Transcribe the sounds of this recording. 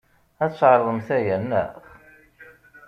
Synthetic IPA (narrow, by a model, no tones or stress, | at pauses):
æt͡sːʕəɾˤðˤəmθæjænːə̰χ